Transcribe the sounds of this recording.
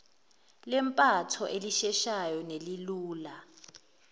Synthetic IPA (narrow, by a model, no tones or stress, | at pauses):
lɛmpʼatʰɔʔeliʃɛʃajɔneliluːla